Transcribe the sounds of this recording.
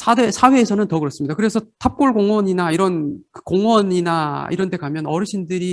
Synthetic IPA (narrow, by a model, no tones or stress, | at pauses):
sʰadesʰawe̞ːsʰʌnɯntʌkɯɾʌs͈ɯmɲidakɯɾe̞sʰʌtʰap̚k͈oɭɡoŋwʌɲinaiɾʌnkɯkoŋwʌɲinaḭɾʌndʰe̞kamjʌnʌɾɯɕʰindɯɾi